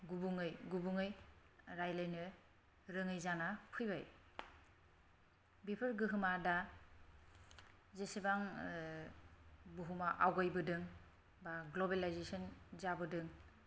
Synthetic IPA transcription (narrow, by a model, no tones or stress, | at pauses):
ɡubuŋɯjɡubuŋɯj | ɾajlajnɯ | ɾɯŋɯjzanapʰɯjba̰j | bipʰɯɾɡɯɦɯmada | zesibaŋ | buɦumaʔawɡajbɯdɯŋ | baɡlobelajzesɔnzabɯdɯŋ